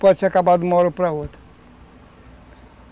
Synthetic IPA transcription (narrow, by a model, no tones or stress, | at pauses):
pət͡ʃʰakabad̪mɔɾpɾaɦot̪ʰ